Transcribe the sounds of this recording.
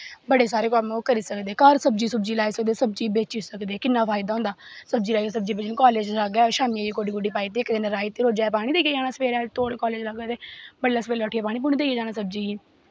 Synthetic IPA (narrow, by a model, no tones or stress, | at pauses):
bəɽeːsaːɾeːkɔːbokəɾiːsəkd̪eːkaɾsəb̚d͡ʒiːsəbd͡ʒiːlaːiːsək̚d̪eːsəb̚d͡ʒiːbeːt͡ʃiːsəkd̪eːkɪnːaːfʰaːɪd̪aːɦʊ̃nd̪aːsəb̚d͡ʒiːlaːies̬əbd͡ʒiːbeːt͡ʃnũːkɔːleːd͡ʒləɡɛːʃaːmiaːd͡ʒiːkoːɖiːɡʊɖiːpaːiːt̪eːkd̪ɪnɾaːɪt̪iːɾoːd͡ʒaːɛpaːɽ̃iːd̪eːked͡ʒaːñaːsəpeːɾɛːt̪oːɽeːkɔːleːd͡ʒləɡaːt̪eːbəlːaːspeːɾaʈʰiːaːpaːɽ̃iːp̬ʊniːd̪eieːd͡ʒaːnaːsəb̚d͡ʒiː